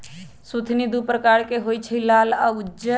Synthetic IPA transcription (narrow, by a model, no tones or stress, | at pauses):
sut̪ʰnid̪upɾəkaːɾkeɦoːit͡ʃʰilaːlaʊd͡ʒə